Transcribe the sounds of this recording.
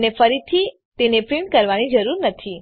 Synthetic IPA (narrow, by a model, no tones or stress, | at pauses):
nefəɾit̪ʰi | t̪enepɾiɳkəɾʋanid͡ʒəɾuɾnət̪ʰi